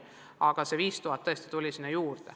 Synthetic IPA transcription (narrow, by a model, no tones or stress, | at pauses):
ɑɡ̥ɑse̞viːst̪uɦɑt̪ːɤest̪i̥t̪ulʲisinːejuːrd̪̥e